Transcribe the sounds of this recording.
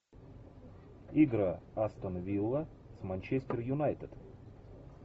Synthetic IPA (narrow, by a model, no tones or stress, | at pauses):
iɡɾəɐst̪ənɐvʲilˠːə | smanʲt͡ɕesʲtʲɪrjʊnajt̪əd̪